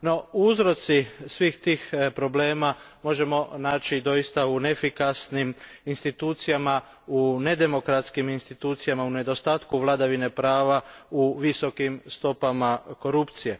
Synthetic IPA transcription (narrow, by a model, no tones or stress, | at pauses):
no̞uuzɾo̞t̪sisʋiːxt̪iːxpɾo̞ble̞ːmamo̞ʒe̞mo̞naːt͡ʃid̪o̞jist̪aunefikasniminst̪it̪uːt̪sijama | une̞d̪e̞mo̞kɾat̪skiminst̪it̪uːt̪sijamaune̞d̪o̞st̪aːt̪kuʋlˠad̪aʋine̞pɾaːʋauʋiso̞kimst̪o̞pamako̞ɾupt̪sije̞